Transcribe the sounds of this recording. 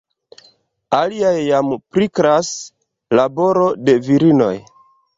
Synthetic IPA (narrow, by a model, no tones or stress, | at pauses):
aliajːampɾikɾas | labo̞ɾo̞de̞viɾino̞̰j